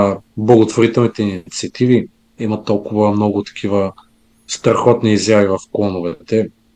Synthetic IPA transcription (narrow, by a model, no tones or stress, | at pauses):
blˠɐɡot̪voɾit̪ɛlˠnit̪ɛint̪siɐt̪ivi | imət̪ɔlˠkʊvəmnɔɡʊt̪ɐ̥kʰʲivə | st̪ɾɐxɔt̪niːzjavivɐfklˠɔnʊvɛt̪ɛ